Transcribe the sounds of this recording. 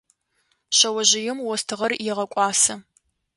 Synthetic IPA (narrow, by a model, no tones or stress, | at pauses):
ɕɐwɐʑɪjɪmwɔstʰɨʁɐrjɪʁɐkʷʼɑːsɐ